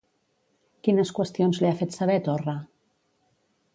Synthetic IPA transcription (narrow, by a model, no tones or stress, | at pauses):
kinəskwəst̪ionzliafet̪saβɛt̪orə